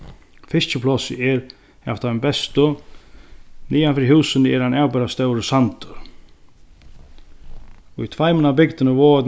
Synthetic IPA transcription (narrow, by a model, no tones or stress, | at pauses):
fɪst͡ʃəpʰlɔsɪɛɾ | aft̪aɛmbɛst̪ʊ | niːanfɪɾiɦuːsənəɛɾhanaːwbɛɾast̪œwɾəsant̪ʊɾ̥ | ʊjt̪ʰvajmənabɪkt̪ɪnəʋɔːɛt̪